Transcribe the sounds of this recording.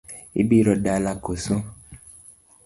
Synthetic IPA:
ḭbiɾɔɖalakosõ

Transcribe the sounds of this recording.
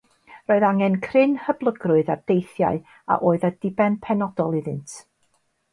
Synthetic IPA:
roːɨðaŋɛnkʰrɪnhəblˠəɡrʊɨðard̥ejθja̰ɨ | a̰ʔoːɨðadɪbɛnpʰɛnɔdɔlˠiðɪntʰ

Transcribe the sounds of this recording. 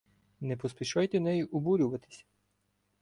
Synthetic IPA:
nɛpɔspʲiʃɔjt̪ɛnɛjʊʔʊbuɾʲʊʋɐt̪ɪ̥sʲ

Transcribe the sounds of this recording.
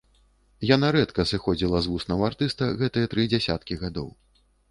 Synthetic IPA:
janaɾɛt̪kɐsɨxɔd͡zʲilˠɐzvusnɐwart̪ɨst̪ɐɣɛt̪ɨjɐt̪ɾɨd͡zʲɛsʲat̪kʲiɣad̪ɔ̰w

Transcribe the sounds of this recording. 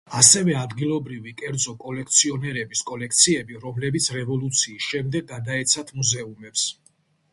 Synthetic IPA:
asɛvɛad̪ɡilˠɔbɾivikʼɛɾd̪zɔkʼɔlɛkʰt̪sʰiɔnɛɾɛbiskʼɔlɛkʰt̪sʰiɛbiɾɔmlɛbit̪sʰɾɛvɔlˠut̪sʰiːsʃɛmd̪ɛɡ̚ɡad̪aɛt̪sʰat̪ʰmuzɛumɛps

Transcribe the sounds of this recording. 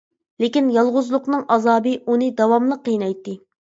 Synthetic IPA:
lekʲinjɑlˠʁʊzlˠʊqnɨŋʔɑzɑːbɨʔunɨd̪ɑwɑmlˠəqːəjnɑjt̪ːɨ

